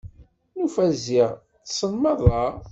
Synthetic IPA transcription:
nufæzːiʁ | t͡sːsənmɑðˤɑ

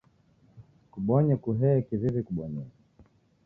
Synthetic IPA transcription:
kuɓɔɲɛkuɦɛɛkiðiðikuɓɔɲɛ

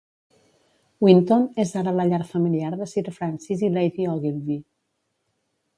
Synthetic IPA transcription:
wint̪onezaɾələʎaɾfəmiliaɾðəsiɾfɾansizilejðiɔɣilði

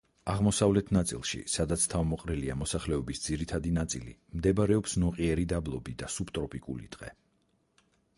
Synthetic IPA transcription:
aʁmɔsavlɛt̪ʰnat̪sʼḭlˠʃḭsad̪at̪sʰt̪ʰavmɔqʼɾɛliamɔsaχlɛɔbisd̪ziɾit̪ʰad̪inat̪sʼilḭmd̪ɛbaɾɛɔpsnɔqʼiɛɾid̪ablˠɔbid̪asupt̪ʼɾɔpʼikʼṵlḭd̪̥ʼʁɛ̰

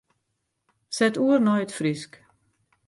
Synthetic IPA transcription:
sɛtuərnɔjətfrisk

